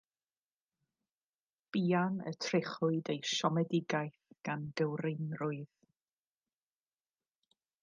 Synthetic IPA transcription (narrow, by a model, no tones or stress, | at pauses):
b̥iːanə̰tʰrɪχʊɨdejʃɔmɛdɪɡajθɡ̥and̥əwrɪnrʊɨð